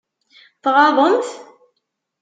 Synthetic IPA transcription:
θʁɑðˤənt̪

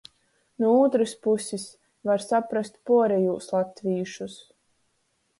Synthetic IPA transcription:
nuɔuːt̪ɾɨspusʲis | vaɾsapɾast̪̚puɔɾɛjuːslˠat̪vʲiːʃus

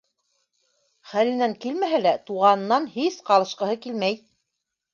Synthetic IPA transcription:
χælɘ̆næŋkilmæɦælæt̪uʁɑnɤ̆nːɑnhisqɑlˠɤ̆ʃqɤ̆hɤkilmæj

